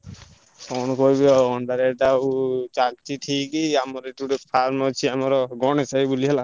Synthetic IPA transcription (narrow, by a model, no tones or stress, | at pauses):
pʰɔnkɔbɔɔɳɖaɾɛʈaut͡ʃak̚tiʈʰikiamɔɾeʈuɾepʰaɾmɔt͡ʃʰiamɔɾɔɡɔnesaibuliɦɛla